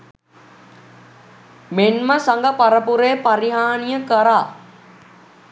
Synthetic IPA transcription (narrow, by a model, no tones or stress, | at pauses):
menməsaŋɡəpaɾəpuɾejpaɾiɦaːnijəkəɾaː